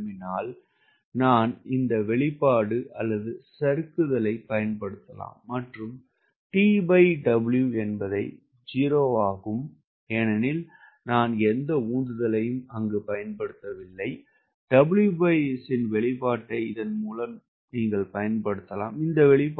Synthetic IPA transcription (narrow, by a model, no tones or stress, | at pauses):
mɪnaːl | naːnɪnd̪ɐʋɛɭɪpːaːɽɯʔɐlːɐðɯsɐɾɯkːɯðɐlɐɪpɐjɐnpɐɽɯt̪ːɐla̰ːmːɐʈrɯm | ʈiːbɐɪɖɐbɪɭjuɛnbɐðɐɪ | d͡ʒiːɾoːaːɣɯm | ɛnɐnɪl | naːnɛnd̪ɐuːnd̪ɯðɐlɐjɯmɐŋɡepɐjɐnpɐɽɯt̪ːɐʋɪlːɐɪ | ɖ̥ɐbɭjubɐɛsɪnʋɛɭɪpːaːʈːɐɪɪðɐnmuːlɐm | niːŋɡɐɭpɐjɐnpɐɽɯt̪ːɐla̰ːmɪnd̪ɐʋɛɭɪpː